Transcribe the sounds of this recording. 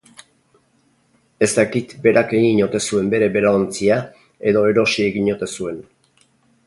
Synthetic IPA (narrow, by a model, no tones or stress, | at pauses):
e̞st̪akit̪be̞ɾake̞ɣiɲo̞t̪e̞sue̞mbe̞ɾe̞be̞ɾaont͡sia | e̞ðo̞e̞ɾo̞sie̞ɣiɲo̞t̪e̞sue̞n